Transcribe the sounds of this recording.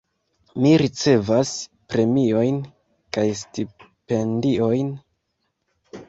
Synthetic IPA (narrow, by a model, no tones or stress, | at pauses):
miɾit͡se̞vas | pɾe̞mio̞jn | kajsti | pe̞ndio̞jn